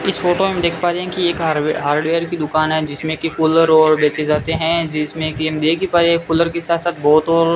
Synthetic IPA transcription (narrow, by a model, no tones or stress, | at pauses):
ɪsfoːʈomẽd̪eːkʰpaːɾeɦɛ̃kieːkɦɦaːɾɖʋeːəɾkid̪ʊkaːnɦɛ̃d͡ʒɪsmẽkikʊləɾɔːɾbɛːsezaːt̪eɦɛ̃d͡ʒɪsmẽkimd̪eːkʰipaːɾekʊləɾkesaːt̪saːt̪̚bɔːt̪ɔːɾ